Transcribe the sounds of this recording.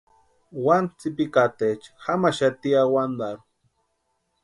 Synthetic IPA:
want͡sipikat̪et͡ʃxamaʃat̪iawand̪aɾu

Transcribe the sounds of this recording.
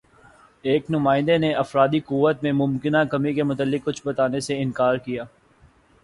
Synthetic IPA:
eːknʊmaːɪ̃nd̪eneʔɐfɾaːd̪iqʊʋːət̪̚mẽmʊmkɪnakɐmikemʊt̪əlːɪkːʊt͡ʃʰbɐt̪aːneseɪ̃nkaːɾkijaː

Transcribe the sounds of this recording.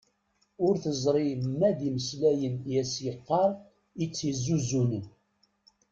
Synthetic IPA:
ʊɾθəzˤɾˤimːæðiməslæjənjæsjəqːɑɾˤ | it͡sːizːuzunən

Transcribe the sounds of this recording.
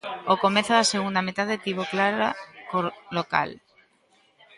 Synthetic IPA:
okomeθoðaseɣund̪amet̪aðet̪iβoklaɾakoloka̰l

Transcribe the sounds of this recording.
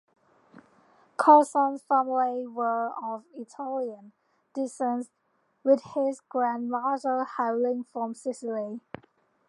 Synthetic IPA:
kʰɔsə̃nz̥fæmliwəəvɪtʰaliə̃n | d̥ɪstə̃ns | wɪð̥hɪzɡ̥ɹæ̃nɹad͡ʒəlhalɪ̃ŋfɹə̃msɪsɪli

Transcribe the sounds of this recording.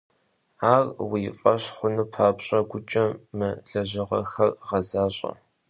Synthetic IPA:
aːrwijɪfʼɐɕχʷʊnɨpʰaːpɕʼɐɡʷʊt͡ʃʼɐmɨɮɐʑɪʁɐ̰xɐrʁɐzaːɕʼɐ̰

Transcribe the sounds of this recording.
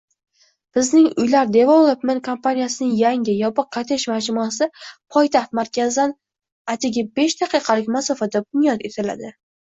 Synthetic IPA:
b̥ɪznɪŋʊjlaɾd̪e̞vɒlˠopmenkʰompʰanijasɪnɪŋjaŋʲɪjɒpɨq̚qʰːɑt̪ʰɪʃmad͡ʒmɒsɪpʰɒjt̪ʰɑχt̪maɾkʲazd̪an | at̪ʰɪɡʲabe̞ʃd̪aqʰɨjqʰɑlɪkʲmasɒfad̪abʊnjɒt̪e̞t̪ʰɪla̰d̪ɪ

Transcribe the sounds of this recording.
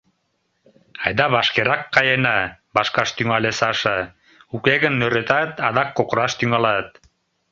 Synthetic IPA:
ɑjd̪ɑβɑʃkeɾɑkːɑjenɑbɑʃkɑʃt̪yŋɑlesɑʃə | ukeɣə̆nːøɾet̪ɑt̪ɑðɑkːokɾɑʃt̪yŋɑlɑt̪̚

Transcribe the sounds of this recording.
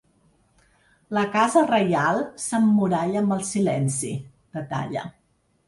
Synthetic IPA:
ləkazərəjalˠsəmːuɾaʎəːmbəlˠsilɛnsḭ | d̪̥ət̪a̰ʎə̰

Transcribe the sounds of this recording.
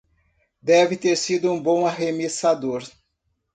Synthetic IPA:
d̪ɛvɪt̪eɾsid̪ʊũbõw̃aɦemisad̪oɾ

